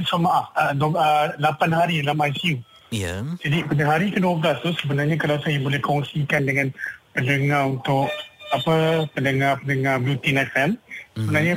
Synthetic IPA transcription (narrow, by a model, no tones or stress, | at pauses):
samaʔahədəlapanɦaɾidalamajsiu | jd͡ʒadipadaɦaɾikəduablast̪usəbənarɲakalawsajabolɛhkɔŋsikandəŋãnpəndəŋarunt̪ʊkapəpəndəŋapəndəŋablut̪inɛfɛmsəbənaɲa